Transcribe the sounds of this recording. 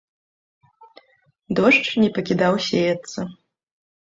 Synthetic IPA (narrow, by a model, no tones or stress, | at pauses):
d̪ɔʂt͡ʂnʲɛpɐkʲid̪awsʲejɐt̪sːɐ